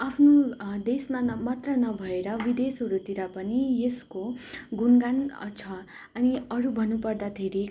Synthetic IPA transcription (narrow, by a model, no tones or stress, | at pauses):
apʰnod̪esmamʌt̪rʌnʌbʱʌeɾʌbid̪esɦʌɾut̪iɾʌpʌnijeskoɡunɡan̰t͡sʰʌ | ʌniʌɾubʱʌnːupʌrd̪at̪ʰeɾi